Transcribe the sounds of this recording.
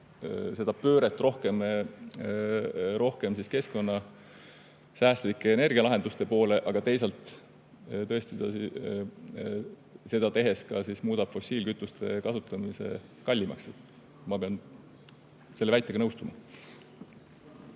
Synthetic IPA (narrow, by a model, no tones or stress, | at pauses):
se̞d̪̥ɑpøːɾe̞t̪ːˑrʔo̞hke̞m | ɾo̞hke̞msiske̞sko̞nːɑ | sæːst̪likːˑe̞ːne̞rɡ̥iɑlɑɦe̞nd̪ust̪e̞po̞ːle̞ʔɑɡ̥ɑt̪e̞js̬ɑlt̪ˑ | t̪ɤ̞e̞st̪id̪̥ɑ | se̞d̪̥ɑt̪e̞ɦe̞skɑsismuːd̪̥ɑb̥fo̞sʲiːlkyt̪ːˑust̪e̞kɑsut̪ːˑɑmise̞̰ | kɑlʲːimɑ̰kset̪ | mɑpe̞ɑn | se̞lːeæjt̪ːˑeɡ̥ɑnɤwst̪umɑ